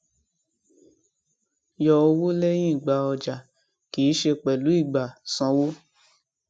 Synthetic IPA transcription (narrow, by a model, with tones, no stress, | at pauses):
jɔ˧o˧wo˦le˦j̃ĩ˦˨ɡ͡ba˨˧ɔ˧d͡ʒa˨ | ki˨˦ʃe˧k͡pɛ˨lu˨˦i˦˨ɡ͡ba˨sɔ̃˨˧˦wo˦